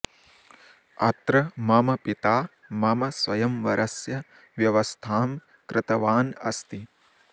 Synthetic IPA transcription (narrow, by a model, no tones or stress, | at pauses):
ɐ̰t̪ɾɐmɐmɐpit̪aː | mɐmɐsʋɐjɐmʋɐɾʔɐsjɐ | ʋjɐʋɐst̪ʰaːm | kɾɪt̪ɐʋaːnɐ̰st̪i